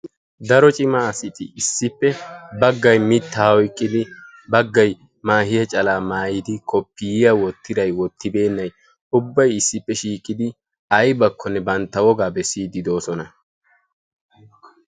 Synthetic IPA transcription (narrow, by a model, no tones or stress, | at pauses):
d̪ɐɾɔt͡ʃʼɪmaɐsɪt̪ɪɪsːɪpːɛbɐɡːɐjmɪt̪ːaːɔjkʼːɪd̪ɪ | bɐɡːɐj | maːhɪjɐt͡ʃʼɐlaːmaːjɪd̪ɪkʰɔpːɪjɪjɐwɔt̪ːɪd̪ɐjwɔt̪ːɪbe̞ːnːɐj | ʊbːɐjɪsːɪpːɛʃiːkʼːɪd̪ɪ | ɐjbɐkːɔnːɛbɐnt̪ːɐwɔɡaːbɛsiːd̪ɪd̪o̞ːsɔnɐ